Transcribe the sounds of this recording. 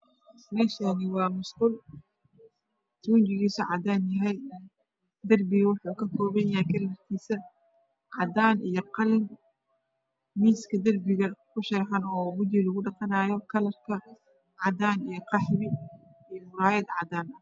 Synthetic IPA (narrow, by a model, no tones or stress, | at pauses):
ɾɛːʃɐnɪwɑːmʊsqʊl | t̪ʰʊʊnt͡ʃɪɣiːsɔʕɑd̪aːnjɐɦɛj | d̪ɐrbɪɣwʊħuːkʰɐkʰɔːβɐnɐɛkʰɐlmɐrk̪ʰiːsɐ | ʕɑd̪aːnijɔqɑlɪm | miːskʰɐd̪ɐrbɪɣɐkʰʊʃɐɾħɑnɔːmʊd͡ʒɪlɐɣʊɖɑqɑnaːjɔkʰɐlɐrkʰɐ | ʕɑd̪aːnijɔqɑħɾɪ | ijɔmʊɾaːjɐd̪ʕɑd̪aːnɐ